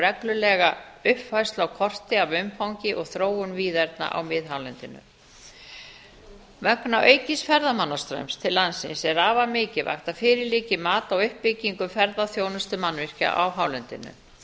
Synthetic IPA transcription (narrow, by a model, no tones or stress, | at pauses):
rɛklʏlɛɣaʏhpfajst̪lawkʰɔr̥t̪ɪavʏmfawɲcɪʔɔɣθɾoːwʏnviːðɛɾt̪na̰ʔa̰wmɪðɦawlɛnt̪ɪnʏ̰ | mœknaʔœːɥjcɪsfɛɾðamanːast̪ɾḛjmst̪ʰɪlːansɪnsɛɾaːvamɪːcɪva̰xt̪afɪːɾɪliːcɪmaːt̪awʏhpːɪcːiŋkʏfɛɾðaθjoːwnʏst̪ʏmanvɪr̥ca̰ʔawɦaːwlɛnt̪ɪ̰nʏ̰